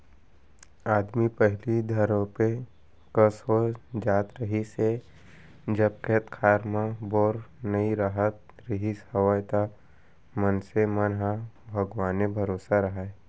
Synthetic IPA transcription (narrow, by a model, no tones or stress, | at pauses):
aːd̪mipəɦlid̪ʱəɾõpe | kəsɦod͡ʒaːt̪ɾəɦise | d͡ʒəb̚kʰeːt̪kʰaːɾmãboːɾnəiɾaɦət̪̚ | ɾɪɦishɐwəjt̪a | mənsemənɦa | bʱɐɡʋaːnebʱɐɾoːsaɾɐɦaɛ